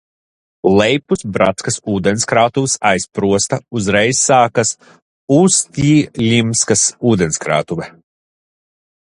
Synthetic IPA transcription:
lˠɛjpusbɾa̰t̪skɐsuːd̪enskɾaːt̪uvsajspɾuɔst̪ɐuzɾɛjsːaːkas | ust̪ʲiːlʲimskasuːd̪enskɾa̰ːt̪uvɛ

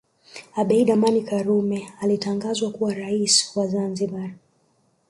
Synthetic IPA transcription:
aɓɛiɗamanikaɾumɛalitaŋɡazwakuwaɾaiswazanziba

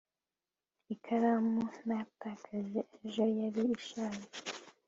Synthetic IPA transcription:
ikʰaɾamunajatakʰaʒeeʒojaɾiːʃaːɾe

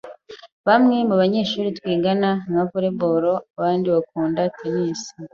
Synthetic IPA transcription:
βamŋe̞muβaɲe̞ːʃuːɾitwiːɡanamavuɾe̞boɾo̞aβaːndiβakuːndatʰeniːsi̥

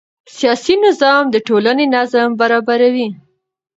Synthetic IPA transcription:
sijɑsinɪzɑmd̪əʈolanenazambaɾɑbaɾawi

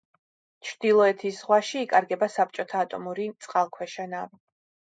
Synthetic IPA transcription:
t͡ʃʰɾd̪̥ilˠɔɛt̪ʰisz̥ʁwaʃiːkʼaɾɡɛbasap̚t͡ʃʼɔt̪ʰaːt̪ʼɔmuɾit̪sʼqʼalˠkʰwɛʃɛnav

